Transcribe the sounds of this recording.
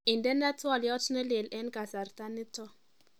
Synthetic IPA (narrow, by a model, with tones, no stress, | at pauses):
i˨ndɛ˦nɛ˦tʰɔ˦˨ljɔ˦tʰnɛ˦le˨lɛ˦nka˨sa˨ɾta˦nɪ˦tɔ˦